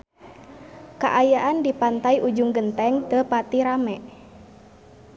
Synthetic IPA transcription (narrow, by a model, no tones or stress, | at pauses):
ka̰ʔajaʔandipant̪aiʔud͡ʒuŋɡənt̪ɛŋt̪əpat̪iɾamɛʔ